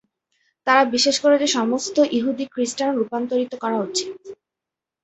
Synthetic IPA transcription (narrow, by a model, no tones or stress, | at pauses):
t̪aɾabiʃeʃkoɾed͡ʑeʃɔmost̪oʔiɦud̪ikɾisʈanɾupant̪oɾit̪okɔɾaɦotːt͡ɕʰi